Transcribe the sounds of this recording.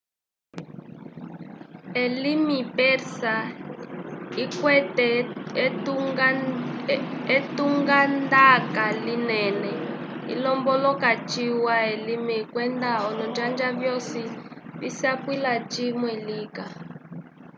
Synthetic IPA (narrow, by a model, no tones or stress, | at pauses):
elimipɛɾsa | ikwɛtɛ | etuŋɡand̪akalinɛnɛ | ḭlɔmbɔlɔkat͡ʃiwaelimikwɛnd̪aɔnɔnd͡ʒand͡ʒaβjɔsiβḭsiapwilat͡ʃimwɛliːka